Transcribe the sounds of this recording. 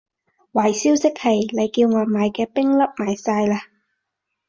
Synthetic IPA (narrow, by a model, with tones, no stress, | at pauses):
waː˨˩jsiː˥wsɪ˥k̚hɐ˨jle˨˧jkiː˧wŋɔː˨˧jmaː˨˧jkɛː˧pɪ˥ŋlɐ˥p̚maː˨jsaː˧jlaː˧